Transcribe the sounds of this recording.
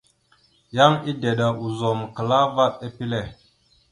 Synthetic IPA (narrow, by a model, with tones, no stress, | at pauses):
ja˦ŋi˦de˨ɗa˨ʔu˨zo˨m˨kə˨la˦va˦ɗ̚e˦pi˦le˨